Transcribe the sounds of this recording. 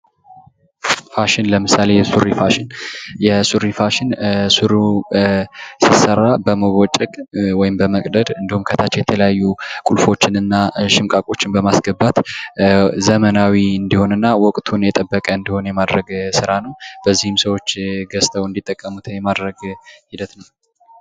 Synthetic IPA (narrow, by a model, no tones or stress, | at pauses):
faʃɪnləmɨsale̞jɛsuɾifaʃɪnjɛsuɾifaʃɪnsuɾu | sisəɾːabəməwɔt͡ʃʼɛkʼwɔjɪmbəməkʼd̪əd̪ɨnd̪ihumkʰət̪ʰat͡ʃːjɛt̪ʰələjajːukʼulfo̞t͡ʃːɪnɨnːaʃɪmkʼakʼo̞t͡ʃːɪnbəmasɡəbːat̪ | zəmənawiɨnd̪iho̞nɨnːawɔkʼt̪ʰunjɛt̪ʼəbːəkʼəɨnd̪iho̞njɛmad̪ɾəɡsɨɾanəwb̥əzːihɪmsəwo̞t͡ʃːɡəst̪ʰəwɨnd̪it̪ʼːəkʼːəmut̪ʰjɛmad̪ɾəɡhid̪ət̪nəw